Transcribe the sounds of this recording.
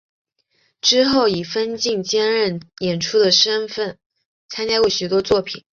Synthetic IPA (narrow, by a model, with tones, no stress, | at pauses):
ʈ͡ʂɻ̩˥xo˥˩ʊi˨˩fə˥nt͡ɕi˥˩ŋt͡ɕjɛ˥nɻə˥˩njɛ˨˩nʈ͡ʂʰu˥d̪ə˨ʂə˥nfə˥˩n | t͡sʰa˥nt͡ɕja˥kwe˥˩ɪɕy˨˩t̪wɔ˥t͡swɔ˥˩pʰi˨˩˦n